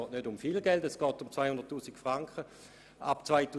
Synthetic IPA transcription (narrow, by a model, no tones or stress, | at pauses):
ɔːtnødʊmfilɡɛldɛsɡ̥ɔːtʊmt͡svaɪhʊnd̥ətːuːsikfʁaŋkχə | ʔa̰pt͡svaɪtu